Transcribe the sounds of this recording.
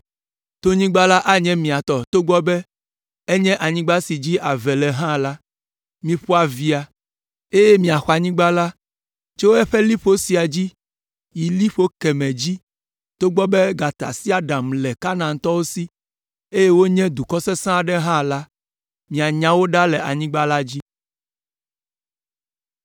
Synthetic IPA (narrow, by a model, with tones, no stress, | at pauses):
t̪o˦ɲĩ˦ɡ͡ba˦la˦ʔa˦ɲɛ̃˦mĩ˨a˨t̪ɔ˨t̪o˦ɡ͡bɔ˦bɛ˦ | e˦ɲɛ̃˦ʔa˨ɲĩ˦ɡ͡ba˦si˨d͡ʑi˦ʔa˨vɛ˨lɛ˨ɦã˦la˦ | mĩ˨ɸɔ˦a˨vi˦a˨ | e˦jɛ˦mĩ˨a˨xa˨ɲĩ˦ɡ͡ba˦la˦ | t͡ʃɛ˦wo˦ɛ˦ɸɛ˦li˦ɸo˦si˨a˨d͡ʑi˦ | ji˨li˦ɸo˦kɛ˨mɛ̃˨d͡ʑi˦ | t̪o˦ɡ͡bɔ˦bɛ˦ɡa˨t̪a̰˨si˦a˨ɖã˨mlɛ˨ka˦nã˨ŋ˨t̪ɔ˦wo˦si˦ | e˦je˦wo˦ɲɛ̃˦d̪u˨kɔ˦sɛ˦sã˦˨ɖɛ˦ɦã˦la˦ | mĩ˨a˨ɲã˨wo˦ɖa˦lɛ˨ʔa˨ɲĩ˦ɡ͡ba˦la˦d͡ʑi˦